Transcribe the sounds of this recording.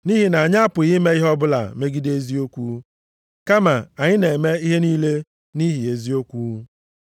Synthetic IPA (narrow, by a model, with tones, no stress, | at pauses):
ni˦ɦi˦na˨ɲa˦pʊ˨ɣi˦me˦i˦ɦɔ˦bʊ˦la̰˨me˦ɡi˦de˦zi˦o˦kʷu˦ | ka˦ma˨a˨ɲɪ˦ne˨me˦i˦ɦe˦niː˦le˦ | ni˦ɦi˨e˨zi˦o˦kʷuː˦